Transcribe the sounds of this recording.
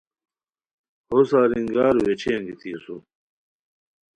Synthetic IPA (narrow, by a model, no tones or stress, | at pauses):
hosaːɾiŋɡaːɾwet͡ɕʰijɐŋɡit̪ʰisu